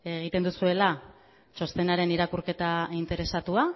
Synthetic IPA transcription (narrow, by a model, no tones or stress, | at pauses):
e̞ɣ̞it̪e̞nd̪usue̞la | t͡ʃo̞st̪e̞naɾe̞niɾakuɾke̞t̪aint̪e̞ɾe̞sat̪ua